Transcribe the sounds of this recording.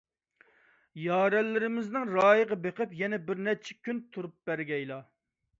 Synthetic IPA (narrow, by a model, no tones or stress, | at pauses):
jɑːɾɛlːɪɾɪmɪznɪŋɾɑːjəʁɑbeqɨpjɛnɛbɪɾnɛt͡ʃʰɛkʲʰynt̪ʰuɾup̚b̥æɾɡʲɛjlˠɑ